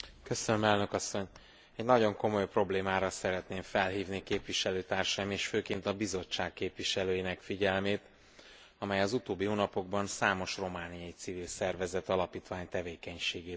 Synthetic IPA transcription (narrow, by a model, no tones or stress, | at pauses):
køsønømɛlnø̞kɒsːo̞ɲ | ɛɟnɒɟo̞ŋko̞mo̞jpro̞bleːmaːɾɒsɛɾɛt̪neːɱfɛlɦiːvnikeːpʋiʃɛløːt̪aːrʃɒjimeːʃføːkeːnt̪ɒbizo̞t͡ʃːaːkːeːpʋiʃɛløːjinɛkfiɟɛlmeːt̪ | ɒmɛjɒzut̪oːbːiɦonɒpo̞ɡbɒnsaːmo̞ʃro̞maːnijɒjit̪sivilsɛrvɛzɛt̪ɒlɒpiːt̪ʋaːɲt̪ɛveːkɛɲʃeːɡeːt̪